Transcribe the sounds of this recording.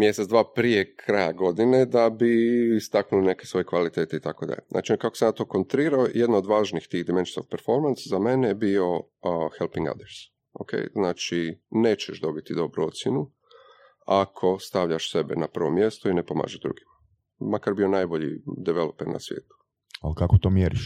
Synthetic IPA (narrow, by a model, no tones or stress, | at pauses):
mjesed̪ʋaːpɾije̞kʰɾajaɡo̞d̪ine̞d̪abiːst̪aknuline̞ke̞sʋo̞jekʋalit̪e̞ːt̪eit̪ako̞d̪a̰ʎeznʔa̰ːt͡ʃikako̞senat̪okont̪ɾiːɾaojʔed̪naod̪ʋaːʒnixt̪iːɣd̪iment͡ʃi̥so̰fpeɾfo̞ɾmanszame̞nejebio̞ | xelpiŋɡa̰d̪əɾs | o̰kʰḛjznaːt͡ʃineːt͡ʃeʃd̪o̞bit̪id̪o̞bɾuo̞t̪sʲjɛnu | akʰo̞st̪aʋʎʲaʃse̞bḛnapər̩ʋomje̞st̪oinepo̞ma̰ːʒeʒd̪ɾṵɡima | makaɾbio̞naːjboʎḭd̪ɛʋelopeɾna̰sʋjeːt̪u̥ | alkakot̪oːmjeɾiʃ